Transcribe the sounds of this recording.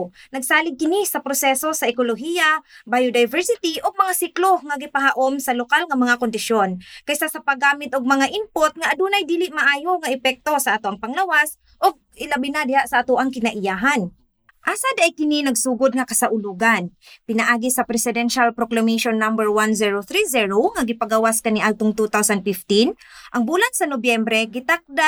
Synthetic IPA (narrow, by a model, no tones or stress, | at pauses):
nɐɡsaːlɪɡ̚kɪnisɐpɾosɛso̞sɐʔɪkoloɦijabajod̪ajvɛɹsɪt̪iʔoɡ̚mɐŋasikloŋaɡɪpaɦaʔomsɐlokalŋɐmɐŋakond̪ɪʃjonkajsasɐpɐɡaːmɪt̪ʔoɡ̚mɐŋaʔɪmpot̪̚ŋaʔːd̪uːnajd̪iːlɪʔmɐʔaːjoŋaʔɪpɛk̚t̪o̞sɐʔat̪oʔaŋpɐŋlɐwas | ʔoɡ̚ɪlabɪnad̪ɪhaʔsɐʔat̪oʔaŋkɪnaʔɪjaɦan | ʔasad̪aʔajkɪninɐɡsuːɡod̪̚ŋɐkɐsaʔʊluɡanpɪnɐʔaːɡɪsɐpɾɛsɪd̪ɛnʃalpɾoklameʃonːambɛɹwanziɹoθɾiziɹoŋaɡɪpaɡawaskaniʔalt̪oŋt̪ut̪awsand̪̚fift̪inʔɐŋbulansɐnobjɛmbɾɛɡɪt̪ak̚d̪a